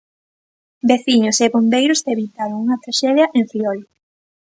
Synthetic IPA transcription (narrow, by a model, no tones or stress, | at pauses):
beθiɲʊseβombejɾʊzeβit̪aɾoŋuŋɐt̪ɾaʃɛðjɐʔeɱfɾiɔl